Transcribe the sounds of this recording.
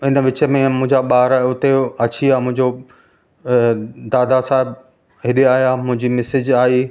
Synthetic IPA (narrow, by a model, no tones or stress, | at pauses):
ɪnəʋɪt͡ɕəmẽmʊ̃ɦɪ̃ɲd͡ʑaɓaːɾaːʊt̪eɐt͡ɕiaːmʊ̃ɦɪ̃ɲd͡ʑo | d̪aːd̪asaːɦɪb | ɦɪɗiaːɦjaːmʊ̃ɦɪ̃ɲd͡ʑimɪsɪd͡ʑaːiː